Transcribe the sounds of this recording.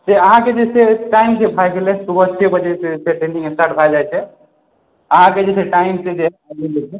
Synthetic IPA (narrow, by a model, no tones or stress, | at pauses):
seəɦãked͡ʒeseʈaimsebʱajɡelesubət͡ʃʰebəd͡ʒeseseʈɾẽnɖiŋesʈaɾʈbʱʰajd͡ʒajt͡ʃʰɛ | əɦãked͡ʒeseʈaimsed͡ʒebaɡelet͡ʃʰe